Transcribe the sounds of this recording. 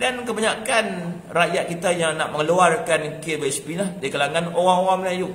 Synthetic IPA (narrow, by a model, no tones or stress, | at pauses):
dankəbaɲakan | rajat̪̚kit̪ajaŋnaʔməŋluarkankebɛspilahdikalaŋanowaŋowaŋməlajuʔ